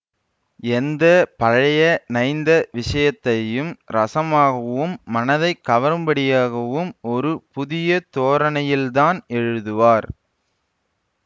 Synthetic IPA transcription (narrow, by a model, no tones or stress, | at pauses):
ɛnd̪ɐpɐɻɐjɐnɐɪnd̪ɐʋɪʂɐjɐt̪ːɐjɯmɾɐsɐmaːɣɐʋɯmːɐnɐðɐɪkːɐʋɐɾɯmbɐɽɪjaːɣɐʋɯmɔɾɯpʊðɪjɐt̪oːɾɐnɐjɪlðaːnɛɻɯðɯʋaːɾ